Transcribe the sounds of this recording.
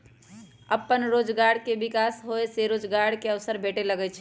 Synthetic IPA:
əpːənɾod͡ʒɡaɽkebikasɦoeseɾoːd͡ʒɡaɽkeəʋsəɾbʱeʈeləɡɛt͡ʃʰ

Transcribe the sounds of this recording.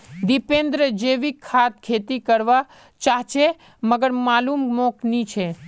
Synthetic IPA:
d̪ipẽnd̪ɾəd͡ʒeʋikʰːat̪̚kʰet̪ikəɾʋa | t͡ʃaɦt͡ʃʰe | məɡəɾmalummoknit͡ʃʰe

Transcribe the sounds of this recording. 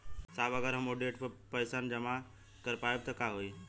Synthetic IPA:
saːbɐɡəɾɦɐmoɖeːʈppɐɪsaːnd͡ʑɐma | kɐɾpaːjob̚t̪ɐkaɦoiː

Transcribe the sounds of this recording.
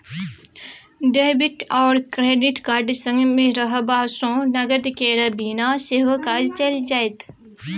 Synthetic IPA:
ɖeːbiʈɔːɾkɾeːɖiʈkaːɖisə̃ŋɡmẽɾəɦəbaːsõːnɐɡəd̪keːɾɐbiːnaseːʋəkaːlt͡ʃɐld͡ʒaːet̪

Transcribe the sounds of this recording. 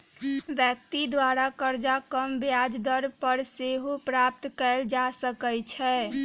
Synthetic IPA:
ʋjək̚t̪id̪waɾakəɾd͡ʒakəmbjad͡ʒd̪əɾpəɾseɦopɾap̚t̪kɛld͡ʒasəkəjt͡ʃʰɛ

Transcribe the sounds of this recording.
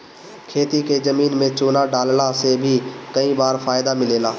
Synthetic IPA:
kʰeːt̪iːkeːzəmiːnmẽːt͡ʃoːnaːɖaːllaːseːbʱiːkəĩːbaːɾfaːɪd̪aːmɪleːlaː

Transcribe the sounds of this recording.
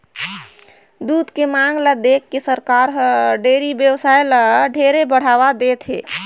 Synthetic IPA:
d̪ud̪kemaŋɡləd̪ekːesəɾkaɾɦɖeɾibjəbsajləɖʱeɾebəɽ̤aβad̪et̪ʰɦe

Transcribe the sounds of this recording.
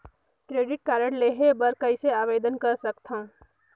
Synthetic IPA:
kɾeːɖɪʈ̚kaɾəɽleɦebəɾkəɪseaːʋed̪ənkəɾsəkt̪ʰaũ

